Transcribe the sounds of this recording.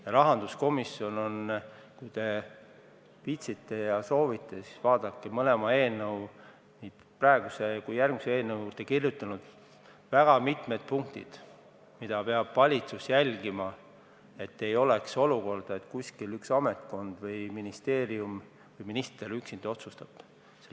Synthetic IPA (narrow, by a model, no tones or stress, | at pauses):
jɑɾɑɦɑnd̪usko̞misːio̞no̞nkujt̪e̞ | pit̪sit̪ːe̞jɑso̞ːvit̪ːˑesisvɑːd̪̥ɑkːemɤle̞mɑe̞ːnɤw | niːd̪̥pɾɑe̞ɡ̥usekujærɡ̥miseeːnɤwt̪ːekirjut̪ːˑɑnud̪̥ | væɡ̥ɑmit̪me̞d̪̥̚puŋk̚t̪ḭd̪̥ | mid̪̥ɑpe̞ɑb̥vɑlʲit̪susjælʲɡ̥imɑ | e̞t̪ːe̞jo̞lekso̞luko̞rd̪̥ɑet̪kuskilyksɑme̞t̪ˑko̞nd̪̥vɤjminist̪e̞ːɾium | vɤjminist̪e̞ɾyksind̪̥o̞t̪sust̪ɑb̥ | se